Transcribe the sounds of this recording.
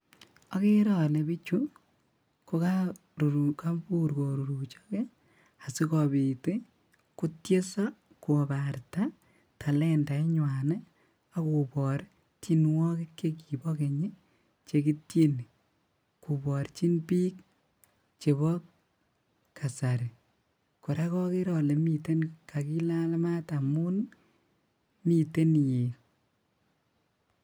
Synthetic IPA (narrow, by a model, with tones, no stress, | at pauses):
ɔ˦ke˦ɾɔ˨lɛ˨bi˦t͡ʃu˦ | ko˦ka˦ | ɾu˨uka˦pu˦ɾko˨ɾu˨ɾu˨t͡ʃɔ̥kɛ˦ | a˨si˦kɔ˨bi˨te˦ | kʊ˦tje˦sɔ˦ | ku˨baɾta˦ | tʰa˨lɛ˦nda˨˦ɲwanɛ˦ | a˦ku˨bɔ˨ɾ | t͡ʃi˦nwɔ˦kɛ˦kːe˦k̬i˨bɔ˦ke˨ɲi˦ | t͡ʃe˨ki˦tje˦ni˨ | ku˨bɔ˨ɾt͡ʃi˦npiː˦k̚ | t͡ʃe˨βɔ | kʰa˨sa˨ɾi˨ | kʊ˨ɾa˦kɔ˦ke˦ɾɔ˨le˨mi˨te˦nkʰa˨ki˦la˦lma˦ta˨mu˦n | mi˨te˦nje˨